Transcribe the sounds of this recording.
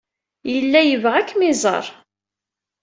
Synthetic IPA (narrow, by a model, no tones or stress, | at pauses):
jəlːæjəvʁækːmizˤə̰ɾˤ